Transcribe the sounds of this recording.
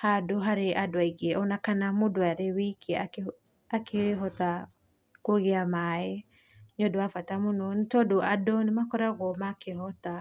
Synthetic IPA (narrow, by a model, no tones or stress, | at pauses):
hadoɦaɾeʔadoaiɣeɔnakanamodoaɾewikʰeake | akʰeɦɔta | koɣeamae | nodoafatamonɔntɔdoadonemakɔɾaɣɔmakeɦɔta